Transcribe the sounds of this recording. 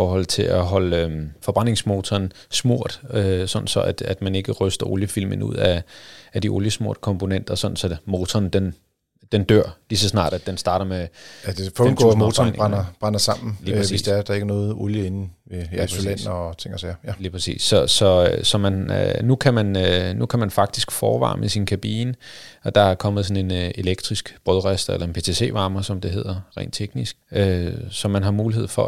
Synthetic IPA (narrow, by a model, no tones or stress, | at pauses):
fɒːhɒ̽l̰t͡sʰe̝læɦɒ̽løfɒ̽b̥ʁan̰e̝ŋsmo̝ːt͡sʰɒːn | smo̝ɐ̰d̥øsɒ̽nn̩sɒ̽ʔæd̥æd̥mæne̝ɡ̥əʁœsd̥ɐʔo̝ljəfil̰mənṵð̞̰ˠææd̥iʔo̝ljəsmo̝ɐ̰d̥kʰɒ̽mpʰo̝nen̰d̥ɐsɒ̽n̥n̩sɒmo̝ːt͡sʰɒːnd̥en | d̥end̥øɐ̰lisɒ̽snɑ̰̈ːdɾ̥æ̥ensd̥ɑ̈ːɾ̥ɐmeæd̥efɔnɡ̥ɔ̰moːt͡sʰɒnʁanɐb̥ʁɑnɐsɑ̈m̰n̩liːpʰʁsesːd̥eɐd̥ɑ̈e̝ɡ̥ənɔ̽ːð̩ˠoljəe̝nn̩ʋeæsolen̰ːt͡sʰeŋ̰ɐsæjæliːpʰʁasḭːsːɒ̽sɒ̽øsɒ̽mænnukʰæmænønukʰæmænfɑ̈ɡ̥̚d̥isɡ̥fɒːʋɑ̰̈ːmʔəsinkʰæb̥ḭːnəɒ̽d̥ɑ̈æɐkʰɒ̽məð̞̩ˠsɒ̽ne̝ne̝leɡ̥̚d̥ʁisɡ̥b̥ʁœðˠʁasd̥ɐelʔɐe̝npʰe̝ːt͡sʰe̝se̝̰ːʋɑ̈ːmɐsɒ̽md̥e̝ɦe̝ð̰ˠɐʁɛ̰ɪːnd̥t͡sʰeɡ̥nisɡ̥øsɒ̽mænɦɑ̈muːlihe̝ð̞̰ˠfɒ̽